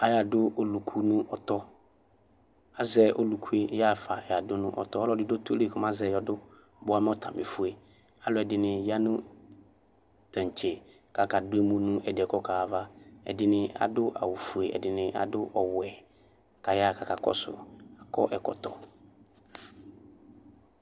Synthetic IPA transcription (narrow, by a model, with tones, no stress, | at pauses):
a˨ja˨dʊ˦o˦lu˨kʰu˦nʊ̃˦ʔɔ˨t̪ɔ˦ | a˦zɛ˨ʔo˦lu˨kʰu˦e˦ja˦˨fa˨ja˨dʊ˦nʊ̰̃˦ʔɔ̰˨t̪ɔ˦ɔ˦lɔ˦dɪ˦do˦tle˦˨kʰɔ˨m˦ã˦zɛ˨jɔ˨dʊ˦ | bʊ˦a˨˦m˦ɔ˦t̪ʰa˨mɪ̰˨fu˦e˨ | a˨lʊ˨ɛ˨dɪ˨nɪ̃˨ja˦nʊ̃˦ | tã˨n˨t͡ʃʰɛ˨ | ka˨ka˨dʊ˦e˦mũ˦nʊ̃˦ɛ˨dɪ˨ɛ˨kɔ˦kʰaː˨va˦ɛ̰˨dɪ˦nɪ̃˦a̰˨dʊ˦ʔa̰˨wʊ˨fu˨e˨ɛ̰˨dɪ˨nɪ̃˦ʔa̰˨dʊ˦ʔɔ˨wɛ˨ | ka˨ja˦˨ka˨ka˨kɔ̰˦sʊ̰˨a˨kɔ̰˦ʔɛ˨kɔ̰˨t̪ɔ˦